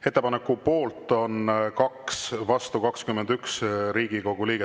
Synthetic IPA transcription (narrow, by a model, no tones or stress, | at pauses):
e̞t̪ːe̞pɑnekːˑupo̞ːlt̪ˑːo̞nkɑksvɑst̪ukɑkskymːend̪yksɾiːɡ̥iko̞ɡ̥uliːɡe